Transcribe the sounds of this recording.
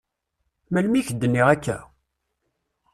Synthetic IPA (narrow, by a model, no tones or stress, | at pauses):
mælmiçəd̪ːənːiʁækːæ̰